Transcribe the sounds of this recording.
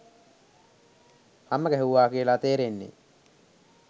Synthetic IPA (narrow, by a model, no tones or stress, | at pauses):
haməɡəɦeuʋaːkiəlat̪eːɾenːḛ